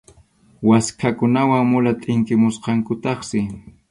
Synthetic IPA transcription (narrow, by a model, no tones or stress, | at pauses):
waskʰakʊnawaŋmʊlat̪ʼɪŋkɪmʊsqɑŋkʊt̪ɑχsɪ